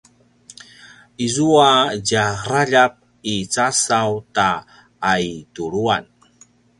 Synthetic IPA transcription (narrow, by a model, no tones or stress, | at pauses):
izuaɟaraʎap̚ | it͡sasawta | ajtuɾuan